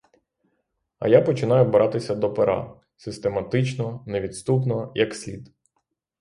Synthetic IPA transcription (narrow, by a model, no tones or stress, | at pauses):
ɐ̰japɔt͡ʃɪn̪ɑjʊbɾʔɑt̪ɪsʲɐd̪ɔpeɾʔɑ̰ | sɪst̪e̞mɐt̪ɪt͡ʃnɔneʋʲit̪st̪upnɔjɐksʲlʲid̪